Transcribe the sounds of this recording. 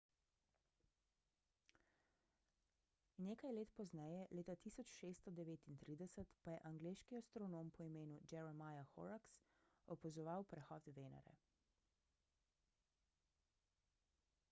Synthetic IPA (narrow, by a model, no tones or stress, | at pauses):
neːkajleːt̪pɔznɛjɛleːt̪at̪iːsɔt͡ʃʃeːst̪ɔd̪ɛʋeːt̪int̪ɾiːd̪ɛsət̪pajɛʔaŋɡleːʃkiast̪ɾɔnoːmpɔimeːnud͡ʒɛɾɛmajaxɔ̰ɾaks | ɔpɔzɔʋawpɾɛxɔːt̪ʋeːna̰ɾɛ̰